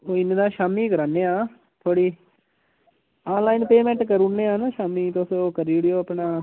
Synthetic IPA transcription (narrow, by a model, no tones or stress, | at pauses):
oːɪnd̪ãːʃaːmiːkəɾaːnːeːãː | t̪ʰoːɽiː | aːnlaːinpeːmɛ̃ːɳʈkəɾunːeːaːnaːʃaːmiːt̪osõːkəɾiːɽɪjoːapnaː